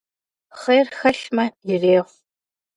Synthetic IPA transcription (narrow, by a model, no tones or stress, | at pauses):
χɐjrxɐɬmɐjɪreːʁʷ